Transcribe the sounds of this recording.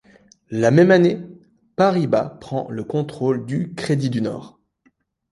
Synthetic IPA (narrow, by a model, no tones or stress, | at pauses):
lamɛmane | paʁiba̰pχɑ̰̃ləkɔ̃t̪χold̪ykχed̪id̪ynɔ̰ːʁ